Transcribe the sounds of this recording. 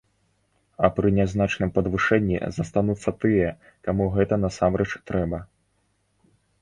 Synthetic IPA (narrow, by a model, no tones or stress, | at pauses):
ɐpɾɨnʲaznat͡ʂnɨmpɐd̪vɨʂɛnʲːḭzɐst̪anut̪sːɐt̪ɨjɛ | kamuɣɛt̪ɐnɐsamɾɛt͡ʂt̪ɾɛbɐ